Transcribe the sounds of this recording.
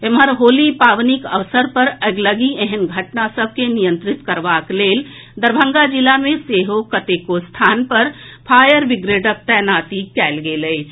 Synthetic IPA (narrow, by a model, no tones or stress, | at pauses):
eməɾɦolipaʋnikə̰ʋsəɾpəɾəɡləɡieɦənɡʱəʈnasəb̚ʱkenijə̃nt̪ɾit̪kəɾʋaklel | d̪əɾbʱə̃ŋɡad͡ʒilamẽseɦokət̪ekost̪ʰanpəɾpʰajəɾʋiɡɾeʈək̚t̪ɛnat̪ikɛlɡeləɪt͡ʃʰ